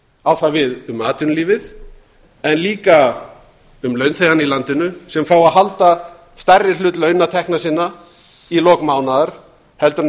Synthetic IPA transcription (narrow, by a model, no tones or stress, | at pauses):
awθavɪðʏmaːt̪ʏnliːvɪð | ɛnliːka | ʏmlœːɥnθejðanilant̪ɪnʏsɛmfaːwaðɦalt̪a | st̪arːɪlʏːt̪lœɥnat̪ʰɛhknasɪnːa | ilɔːkmaːwnaðaɾ̥ | hɛlt̪ʏɾ